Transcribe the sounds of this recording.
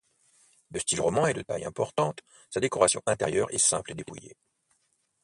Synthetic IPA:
d̪əst̪ilʁɔmɑ̃ɛd̪ət̪a̰jɛ̰̃pɔʁt̪ɑ̃t̪ | sad̪ekɔʁasjɔ̃ʔɛ̃t̪eʁjœʁɛ̰sɛ̃pled̪epujḛ

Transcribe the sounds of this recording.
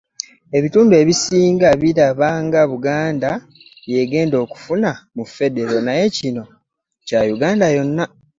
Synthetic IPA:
e̞βituːndue̞ːβisiːŋɡaβiɾaβaŋɡaβuɡaːnda | je̞ɡe̞ːndo̞ːku̥funamufːe̞de̞ɾo̞naje̞cino̞ | cajuɡaːndajo̞nːa

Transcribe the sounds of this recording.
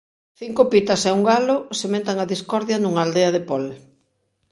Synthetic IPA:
θiŋkopit̪ɐsɛuŋɡalʊsemẽnt̪aŋaðiskɔɾðjɐnuŋɐald̪eɐðɪpɔl

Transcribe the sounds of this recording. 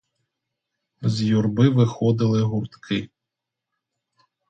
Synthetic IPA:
zʲjurbɪʋɪxɔd̪ɪlˠɪɦurt̪kʰɪ

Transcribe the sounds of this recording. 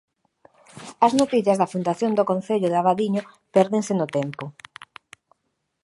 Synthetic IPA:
ɐznot̪iθjɐzðafund̪aθjond̪okõnθeʎʊðeaβaðiɲo | pɛɾðeŋsɪnʊt̪ɛmpʊ

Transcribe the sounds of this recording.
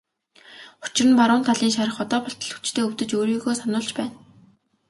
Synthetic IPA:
ʊ̥t͡ɕɪ̆rə̆npaɾʊːnt̪ʰaɮiːŋʃaɾə̆χɔt̪ɔːpɔɬt̪ɞ̆ɮxu̥t͡ɕt̪ʰeːɵwt̪ɘ̆t͡ɕoːɾiːɣoːsanʊːɮt͡ɕpæːn

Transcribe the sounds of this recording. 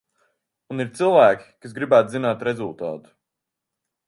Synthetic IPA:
uniɾt̪silˠvæːkʲi̥kasɡɾibæːt̪zinaːt̪ɾezulˠt̪a̰ːt̪u̥

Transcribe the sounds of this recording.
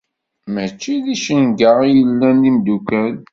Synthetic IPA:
mət͡ʃːiðiʃənɡəʁijəlːænːimd̪ukæl

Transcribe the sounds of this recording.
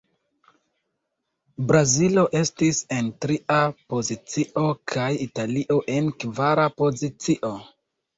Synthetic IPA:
bɾazilo̞ʔe̞stise̞ntɾiʔapo̞zit͡siʔo̞kʰajitaliʔo̞ʔe̞nkvaɾapo̞zit͡siʔo̞

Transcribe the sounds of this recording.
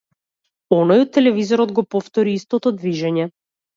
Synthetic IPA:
ɔnɔjɔt̪ːɛlɛvizɔɾɔd̪ɡɔpɔft̪ɔɾiist̪ɔt̪ɔd̪viʒɛɲɛ

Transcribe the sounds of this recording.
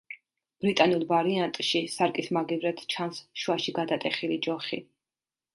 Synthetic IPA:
b̥ɾit̪ʼanulˠvaɾiant̪ʼʃisaɾkʼismaɡivɾɛt̪ʰt͡ʃʰansʃwaʃiɡad̪at̪ʼɛχilid͡ʒɔχi

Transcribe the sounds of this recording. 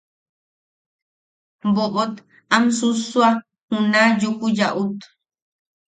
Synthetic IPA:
boʔot̪ | amsusua | hũnãjukujaʔut̪

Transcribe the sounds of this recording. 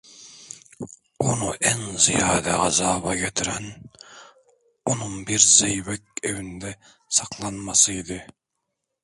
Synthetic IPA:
unuʔɛŋzijɑːd̪ɛʁɑzɑːbɑɡʲɛt̪ʰɪɾɛn | unɨŋbiɾzejwɛk̚ʲewɪnɪd̪ɛ | sɑqʰlˠɑnmɑsɨid̪ɪ

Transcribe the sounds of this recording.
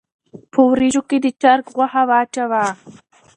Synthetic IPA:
pʰowɾiʒoked̪ət͡ʃaɾkɣwahawaːt͡ʃawa

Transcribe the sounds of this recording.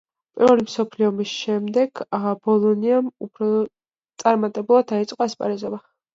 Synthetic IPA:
pʼiɾvɛlimsɔpʰliɔmisʃɛmd̪ɛɡ̥bɔlˠɔniamupʰɾɔ | tt̪sʼaɾmat̪ʼɛbulˠad̪̚ait̪sʼqʼaspʼa̰ɾizɔba

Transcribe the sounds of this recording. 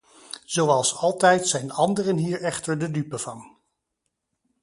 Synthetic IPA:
z̥owɑlˠsɑlˠtɛjtsɛjnɑndərənɦiːɹɛχtəɹdədypəv̥ɑn

